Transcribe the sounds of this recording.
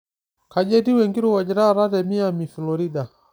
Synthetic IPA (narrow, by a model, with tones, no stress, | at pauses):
ka˨d͡ʒɛ˦ti˦wɛ˨ŋɡi˦ɾuwa˨d͡ʒɛɾa˦ɾa˦tɛmi˦amifi˨lɔɾi˦da˨